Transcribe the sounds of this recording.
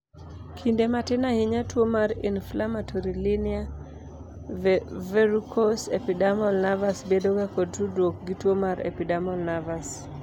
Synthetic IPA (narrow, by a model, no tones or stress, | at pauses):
kʰindematɪnahɪɲatwomaɾḭnflamatʰɔɾilinɪa | vvɛɾukʰosɛpidamɔlnavasbedoɡakɔd̚tudwok̚ɡitwomaɾḛpidamɔlnavas